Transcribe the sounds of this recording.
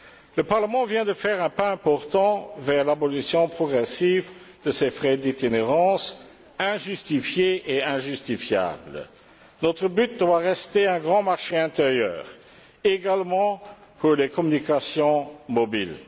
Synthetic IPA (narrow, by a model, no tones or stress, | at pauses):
ləpaʁləmɑ̃vjɛ̃d̪əfɛːʁɛ̃paɛ̃pɔʁt̪ɑ̃vɛʁlabɔlisjɔ̃pχɔɡʁɛsivd̪̥əsefʁɛd̪et̪ineʁɑ̃s | ɛ̃ʒyst̪ifjeʔeɛ̃ʒyst̪ifja̰ːblə | nɔt̪χəbyt̪̚d̪waʁɛst̪eɛ̃ɡʁɑ̃maʁʃeɛ̃t̪eʁjœ̰ːʁ | eɡalmɑ̃pʰuʁlekʰɔmynikasjɔ̃mɔbil